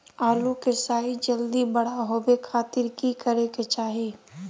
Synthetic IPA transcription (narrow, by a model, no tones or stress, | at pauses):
aːlukesaːid͡ʒəld̪ibəɽ̤aɦoːbekʰaːt̪ɪɾkikəɾeket͡ʃaːɦiː